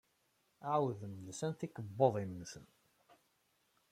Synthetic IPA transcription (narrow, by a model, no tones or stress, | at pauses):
ʕwðəmnsænθikəbːoðˤimənsən